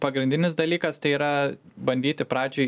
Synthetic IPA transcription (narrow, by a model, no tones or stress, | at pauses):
pɐɡɾʲɪnd̪ʲɪnʲɪsd̪ɐlʲiːkɐst̪ɐɪiːɾɐbɐnʲd̪ʲiːt̪ʲɪpɾɑːd͡ʒʲʊɪ